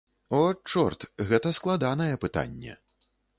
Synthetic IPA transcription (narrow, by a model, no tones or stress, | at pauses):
ɔt͡ʂɔrt̪ɣɛt̪ɐsklˠad̪anɐjɛpɨt̪a̰nʲːɛ̰